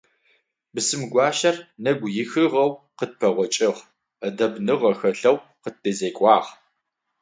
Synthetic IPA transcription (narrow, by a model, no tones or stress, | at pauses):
bɨsɨmɡʷɑːʃɐrnɐɡʷjɪxɨʁɐwqət̚pʰɐʁʷɔt͡ʃʼɪʁ | ədɐbnɨʁɐxɐɬɐwqət̚dezeːkʷʼɑːʁ